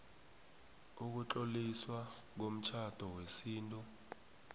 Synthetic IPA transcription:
uk̬ut͡ɬʼoliswak̬om̩t͡ʃʰad̥ʱɔwesiːntʼɔ

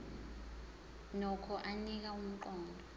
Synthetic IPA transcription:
nɔkʰɔʔanik̬aum̩ǃɔːndʱɔ

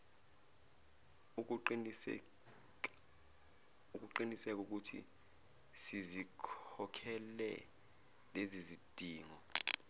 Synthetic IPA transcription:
u | uk̬ʼuǃinisɛk̬uk̬utʰḭ | sizikʰɔkʰɛlɛ̰ | lezizid̥ʱiːŋɔ

